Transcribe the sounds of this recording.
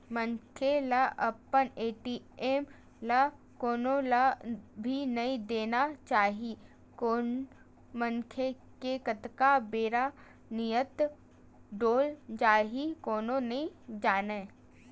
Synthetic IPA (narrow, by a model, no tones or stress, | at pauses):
mənkʰelaʔəpːəneːʈiː | eːm | la | koːnolabʱinɐĩd̪eːnat͡ʃaːɦi | koː | məŋkʰe | kekət̪kabeːɾa | nijət̪ | ɖoːld͡ʒaːɦikoːnõnɐĩd͡ʒaːneː